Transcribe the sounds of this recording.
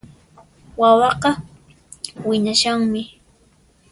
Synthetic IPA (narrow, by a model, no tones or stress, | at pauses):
wawɑqɑ | wɪɲaʃaŋmɪ